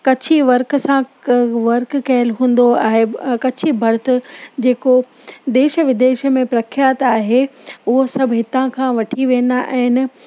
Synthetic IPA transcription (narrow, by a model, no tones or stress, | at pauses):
kɐt͡ɕʰiʋɐɾksãʋɐɾkkɐɦɪlɦũːn̆d̪oa̰ːɦekɐt͡ɕʰibʱɐɾt̪̆ʰd͡ʑeːko | d̪eːʃəʋɪd̪eːʃəmẽpɾɐkʰjaːt̪aːɦeʊɦosɐbʱɦɪt̪ãkʰãʋɐʈʰiʋẽːn̆d̪aʔɛ̃ɦɪnɪ